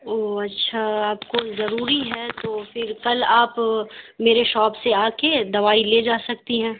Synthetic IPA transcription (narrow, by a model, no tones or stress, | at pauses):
oːɐtːʃʰaaːpkozɐɾuːɾiɦɛt̪oːfɪɾkɐlaːpmeːɾeʃɔːpseaːked̪ɐʋaːileːd͡ʒaːsɐk̚t̪iɦɛ̃ː